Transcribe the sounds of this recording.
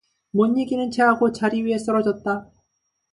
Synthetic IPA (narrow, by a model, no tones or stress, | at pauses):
mʌɲːiɡinɯnt͡ɕeɦaɡot͡ɕaɾiɥie̞s͈ʌɾʌd͡ʑʌt̚t͈a